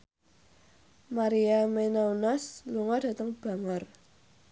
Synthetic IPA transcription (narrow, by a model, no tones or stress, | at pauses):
maɾiamenaunɔsluŋɔd̥ä̤t̪əŋb̥a̤ŋɔr